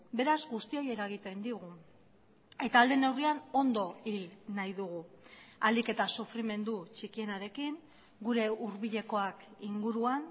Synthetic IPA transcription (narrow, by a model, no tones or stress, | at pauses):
be̞ɾazɡust̪io̞je̞ɾaɣ̞it̪e̞nd̪iɣ̞u | e̞t̪aːld̪e̞ne̞wriano̞nd̪o̞ilnajðuɣ̞ualike̞t̪asufɾime̞nd̪ut͡ʃikie̞naɾe̞kiŋ | ɡuɾe̞uɾβiʎe̞ko̞akiŋɡuɾuan